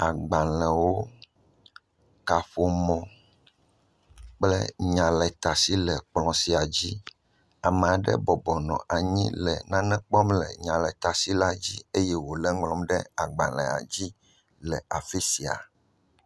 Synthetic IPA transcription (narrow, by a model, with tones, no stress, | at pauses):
a˨ɡ͡ba˨lɛ̃˨wo˦ | ka˨ɸo˨mɔ̃˨ | k͡plɛ̰˦ɲã˨lɛ˨t̪a˨si˦lɛ˨k͡plɔ̃˨si˨a˨d͡ʑi˦ | a˨mɛ̃˨a˨ɖɛ̰˦bɔ˨bɔ˨nɔ̰̃˨ʔa˨ɲĩ˦lɛ˨nã˦nɛ̃˦k͡pɔ˦mlɛ̰˨ɲã˨lɛ˨t̪a˨si˦la˦d͡ʑi˦e˦jɛ˦wo˨lɛ˦ŋɡlɔ̃˦mɖɛ˦a˨ɡ͡ba˨lɛ̰̃˨a̰˨d͡ʑi˦ | lɛ˨a˨fe˦si˨a̰˨